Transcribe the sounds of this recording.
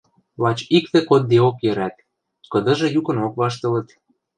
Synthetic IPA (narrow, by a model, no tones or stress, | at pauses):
lɑt͡ɕikt̪ĕkod̪̚ːeokjø̆ɾæt̪̚ | kɤ̆d̪ɤ̆ʒɤ̆jukɤ̆nokβɑʃt̪ɤ̆lɤ̆t̪